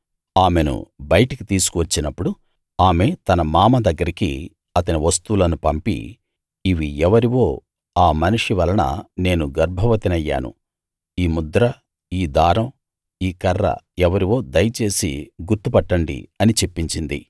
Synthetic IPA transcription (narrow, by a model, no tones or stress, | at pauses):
aːme̞nṵbɐjɐʈɐkit̪iːsu̥kuʋɐt͡ʃːinɐpːuɽu | aːme̞t̪ɐnɐmaːmɐd̪ɐɡːɐɾikḭ | ɐt̪ɐniʋɐst̪uːlɐnupɐmpḭː | ʋiɛʋɐɾiʋo̞ː | aːmɐniʂiʋɐlɐnɐ̰ne̞ːnuɡɐɾbʱɐʋɐt̪inɐjːa̰ːnṵ | iːmud̪ɾɐ | iːd̪aːɾɐm | iːkɐrːɐ̰ | ɛʋɐɾiʋo̞ːd̪ɐjɐt͡ʃe̞ːsḭɡuɾt̪upɐʈːɐɳɖḭɐnit͡ʃe̞pːiɲt͡ʃind̪ḭ